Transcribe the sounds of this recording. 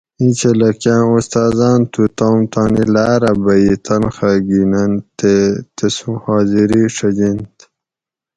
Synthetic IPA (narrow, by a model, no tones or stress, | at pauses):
ĩt͡ɕelɐkjãːust̪aːzɑːnt̪ʰut̪aːmt̪aːnilaːɾɐbɐit̪ʰɐnxaɡinɐnt̪et̪esũhɑːziɾiʂɐd͡ʑint̪